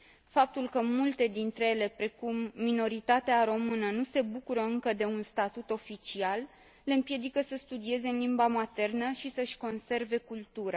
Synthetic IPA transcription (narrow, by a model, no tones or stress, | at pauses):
fap̚t̪ulkəmult̪e̞d̪int̪ɾe̞jele̞pɾe̞kumːino̞ɾit̪at̪eaɾo̞mɨnənuse̞bukuɾəɨŋkəd̪e̞unst̪at̪ut̪o̞fit͡ʃialː | e̞ɨmpje̞d̪ikəsəst̪ud̪ie̞ze̞ɨnlimbamat̪e̞rnəʃisəʃʲko̞nse̞rve̞kult̪uɾa